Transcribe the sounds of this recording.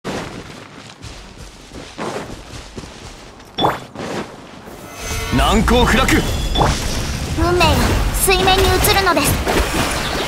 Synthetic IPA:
nãŋkoːhɯ̟ɾakɯ | ɯ̟̃mːeɡasɨimẽ̞ɲ̟ːiɯ̟t͡sɨɾɯ̟no̞d̪e̞sɨ̥

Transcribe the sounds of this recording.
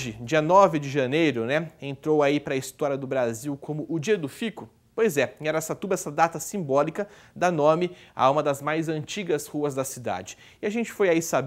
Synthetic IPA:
ʒɪd͡ʒiɐnɔvɪd͡ʒɪʒɐnejɾʊnɛẽnt̪ɾowaipɾɐːist̪ɔɾiɐd̪ʊbɾaziwkʰõmʊʔʊd͡ʒiɐd̪ʊfikʊ | pojzɛɛɾɐɛsɐt̪ubɐɛsɐd̪at̪ɐsĩbɔlikɐ | d̪ɐnõmɪa̰ũmɐd̪ɐzmajzɐ̃nt͡ʃiɡɐshuɐzd̪ɐsid̪a̰d͡ʒɪ̥ | ɪaʒẽnt͡ʃɪ̥fojaisab

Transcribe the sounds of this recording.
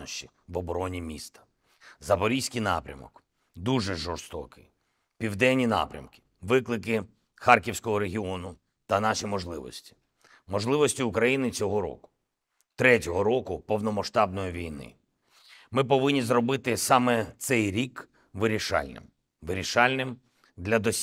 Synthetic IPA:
ɔʃt͡ʃi | ʋɔbɔɾɔnʲimʲist̪ɐ̥ | zɐpɔɾʲijsʲkɪjnɑ̰pɾʲɐ̰mɔ̰k | d̪uʒɛʒɔrst̪ɔ̰kɪ̰j | pʲiwd̪ɛnʲːinɑ̰pɾʲɐ̰mkɪ̥ | ʋɪklˠɪkɪ | xɑrkʲiwsʲkɔɦɔɾeɦʲiɔnʊ | t̪ɐnɑʃimɔʒlˠɪʋɔ̰sʲtʲi̥ | mɔʒlˠɪʋɔsʲtʲiːkɾɐjinɪt͡sʲɔɦɔɾɔ̰kʊ̥ | t̪ɾɛtʲɔɦɔɾɔkʊpɔwnɔmɐʃt̪ɑb̚nɔjiʋʲijnɪ̰ | mɪp̬ɔʋɪnʲːizɾɔbɪt̪ɪsɑmɛt̪sɛjɾʲik | ʋɪɾʲiʃɑ̰lʲnɪ̰m | ʋɪɾʲiʃɑlʲnɪm | d̪lʲɐd̪ɔsʲ

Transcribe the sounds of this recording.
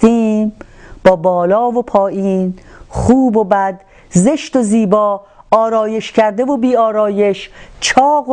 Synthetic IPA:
t̪iː | b̥ɒːbɒːlɒːvopʰɒːʔiːnχuːbobæd̪ | zeʃt̪oziːbɒːɒːɾɒːje̞ʃcʰæɾd̪e̞vobiːɒːɾɒːjeʃt͡ʃʰɒːɣ

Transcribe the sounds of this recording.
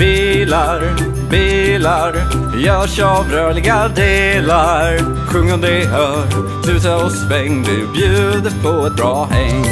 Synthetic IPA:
b̥iːlaɾ | biːlaɾ | jɑɕɑvɾœːɭɪɡad̪eːlaɾ | ɧɵŋːəd̪eɦœ | ɾ | d̪ʉsɛɔspɛŋd̪ʉbjʉ̟ːd̪əpʰɔɛt̪̚bɾɑːhɛŋ

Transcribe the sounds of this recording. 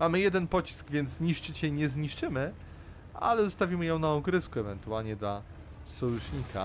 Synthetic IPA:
mamɘjɛd̪ɛnpɔt͡ɕi̥sɡvʲjɛnd̪zzɲiʂt͡ʂɘt͡ɕɛiɲɛzɲiʂt͡ʂɘmɘ | a̰lɛzɔst̪avʲimɘjɔ̃w̃naɔɡɾɘskuɛvɛnt̪ualɲɛd̪la | sɔjuʂɲikʰa̰

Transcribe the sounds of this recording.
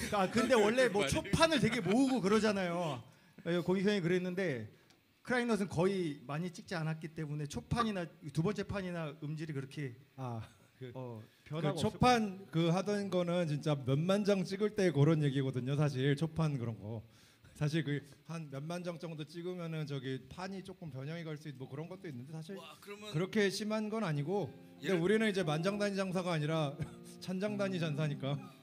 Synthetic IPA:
kakɯnde̞wʌɭːe̞mwʌt͡ɕʰopʰanɯɭtwe̞ɡe̞moɯɡokɯɾʌd͡ʑanajo | koŋkʰjʌŋikɯɾe̞nːɯnde̞ | kʰɯɾainʌsʰɯnkʌimaɲit͡ɕ͈ik̚t͡ɕ͈ianat̚k͈it͈e̞mune̞t͡ɕʰopʰaɲinatubʌnt͡ɕ͈e̞pʰaɲinaɯmd͡ʑiɾikɯɾʌkʰe̞a | kɯʌ | t͡ɕʰopʰankɯɦadʌnɡʌnɯnt͡ɕint͡ɕ͈amjʌnmand͡ʑʌŋt͡ɕ͈iɡɯɭt͈e̞ːkʌɾʌnje̞ɡiɡʌdɯɲosʰaɕ̬ʰiɭt͡ɕʰopʰankɯɾʌnɡʌ | sʰaɕ̬ʰiɭkɯhanmjʌnmand͡ʑʌŋt͡ɕ͈ʌŋdot͡ɕ͈iɡɯmjʌnɯnt͡ɕʌɡipʰaɲit͡ɕ͈ok͈ɯmpjʌɲʌŋiɡaɭs͈uinmwʌkɯɾʌnɡʌt̚t͈oinːɯnde̞sʰaɕʰiɭkɯkɯɾʌkʰe̞ɕʰimanɡʌnaɲiɡokkɯndeuɾinɯnid͡ʑe̞mand͡ʑaŋdaɲid͡ʑaŋs̬ʰaɡaːɲiɾa | t͡ɕʰand͡ʑaŋdaɲid͡ʑansʰaɲik͈a

